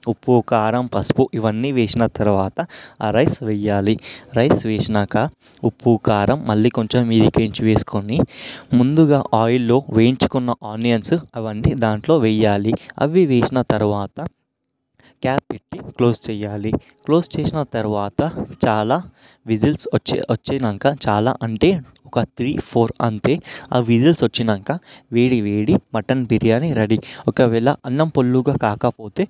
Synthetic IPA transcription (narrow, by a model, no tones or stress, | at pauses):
upːuːkaːɾɐmpɐspuʔiʋɐnːiʋeːsinɐt̪ɐɾuʋaːt̪ɐɾɐjsʋɛjaːliɾɐjsʋɛːʂɐnaːka | upːuːkaːɾɐmːɐlːiːko̞ɲt͡ʃomːiːd̪ikeːɲt͡ʃʋeːsu̥konimund̪uɡaːʔaːjilːo̞ːʋeːjiɲt͡ʃu̥kunːɐʔaːnijɐnsɐʋɐnːid̪aːɳʈlo̞ːʋɛjːaːliɐ̰ʋiʋɛːsinɐt̪ɐɾuʋaːt̪ɐ | kaːpːeʈːiklo̞ːst͡ʃɛːjaːli | klo̞ːst͡ʃeːsinɐt̪ɐɾuʋaːt̪ɐt͡ʃaːlaː | ʋid͡ʒilsɐt͡ʃːɐt͡ʃːinɐŋkaːt͡ʃaːla̰ːʔɐɳʈe̞ː | ɔkɐt̪ʰɾiːpʰoːɾɐnt̪eːa̰ːʋid͡ʒilsʋɐt͡ʃːinɐŋkaːʋeːɽiʋeːɽimɐʈɐnpiɾijaːniɾɐɽiɔkɐʋɛːɭɐ̰ʔɐnːɐmpolːuɡaːkaːkɐpo̞ːt̪e̞ː